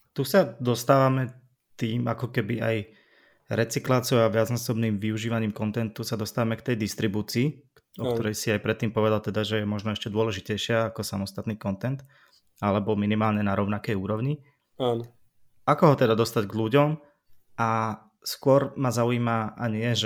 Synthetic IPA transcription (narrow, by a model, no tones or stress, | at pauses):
t̪usad̪ɔst̪aːʋamɛ | t̪iːmʔa̰kɔkɛbiʔa̰j | ɾɛt͡siklaːt͡sɪɔʊaʋɪad͡znasɔbniːmʋiuʒiːʋaɲiːmkɔnt̪ɛnt̪usad̪ɔst̪aːʋamɛkt̪ɛjd̪ist̪ɾibuːt͡siː | ɔkt̪ɔɾɛjsiajpɾɛt̪ːiːmpɔʋɛd̪alt̪ɛd̪aʒɛjɛmɔʒnɔɛʃcɛd̪ʊɔlɛʒicɛjʃɪaakɔsamɔst̪at̪niːkɔnt̪ɛnt̪ | alɛbɔminimaːlɲɛnaɾɔʊnakɛjuːɾɔʊɲi | aːn | akɔɦɔt̪ɛd̪ad̪ɔst̪aɟɡʎuɟɔm | a | skʊɔɾmazauiːmaʔaɲɪɛʒɛ